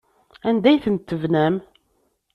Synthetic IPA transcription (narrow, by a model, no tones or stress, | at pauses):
ænd̪æjθənt̪ːəvnæm